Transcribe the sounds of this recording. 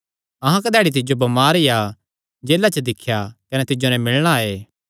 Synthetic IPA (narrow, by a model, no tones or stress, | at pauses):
ɐɦãkɐd̪ɛːɽit̪̬ɪd͡ʒobɐmaːɾija | d͡ʒeːlat͡ʃəd̪ɪkʰːjakɐnɛt̪ɪd͡ʒonɛmɪlɭɽ̃aeː